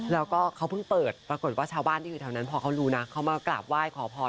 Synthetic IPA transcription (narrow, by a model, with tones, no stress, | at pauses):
lɛː˦˥wkɔː˥˩kʰa˦˥wpʰɯ˥˩ŋpɤː˨˩t̪̚pɾa˧ko˨˩t̪̚waː˥˩t͡ɕʰaː˧wbaː˥˩nda˥˩juː˨˩t̪ʰa˧˩wna˦˥npʰɔː˧kʰa˦˥wɾuː˦˥na˦˥kʰa˦˥wmaː˧kla̰˨˩p̚waː˥˩jkʰɔː˩˦pʰɔː˧